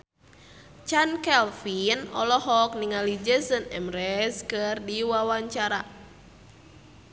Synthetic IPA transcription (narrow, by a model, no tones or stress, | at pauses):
t͡ʃankɛlfinɔ̰lɔɦɔk̚niŋalid͡ʒəsənɛmɾɛskɨrdiwawaɲt͡ʃaɾa